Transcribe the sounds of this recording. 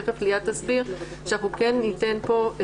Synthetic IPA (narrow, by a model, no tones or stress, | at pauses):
feflijad̪̚tasbiʁ | ʃeaχukenːitenpo̞e